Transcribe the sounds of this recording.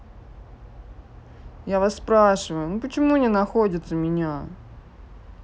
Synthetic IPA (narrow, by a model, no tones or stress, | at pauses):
javasːpɾaʂɨvəjʊnupət͡ɕɪmunʲɪnɐxodʲɪt̪səmʲɪnʲa